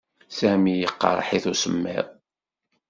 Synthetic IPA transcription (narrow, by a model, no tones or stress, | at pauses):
sæmijəqːɑ̰ɾ̰ˤħiθusəmːɪ̰ðˤ